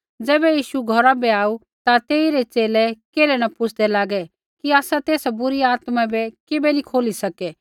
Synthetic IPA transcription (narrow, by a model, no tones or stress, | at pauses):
d͡ʒɛːbɛjiːʃuɡʱɔɾabɛaːu | t̪at̪eːiɾɛt͡ʃeːlɛkeːlɛnɐpʊt͡ʃʰd̪ɛlaːɡɛ | kiaːsat̪eːsabʊɾiaːt̪mãbɛkɪbɛnikʰoːlisɐkɛ